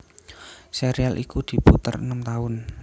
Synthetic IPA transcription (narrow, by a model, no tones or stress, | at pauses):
seɾialʔikud̪̥i̤put̪ərə̰nəmt̪aʊn